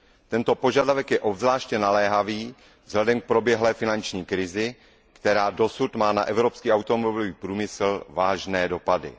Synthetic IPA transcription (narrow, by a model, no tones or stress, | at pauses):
t̪ɛnt̪o̞po̞ʒadavɛkjɛʔobzlaːʃcɛnalɛːɦaviː | vz̥ɦlɛdɛmk̚pɾo̞bjɛɦlɛːfɪnant͡ʃɲiːkɾɪzɪ | kt̪ɛɾaːdo̞sut̪maːna̰ʔɛvɾopskiːʔawt̪omobɪloviːpɾuːmɪsl̩vaːʒnɛːdo̞padɪ̰